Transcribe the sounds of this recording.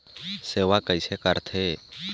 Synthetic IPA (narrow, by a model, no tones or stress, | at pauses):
seːʋakəɪsekəɾt̪ʰeː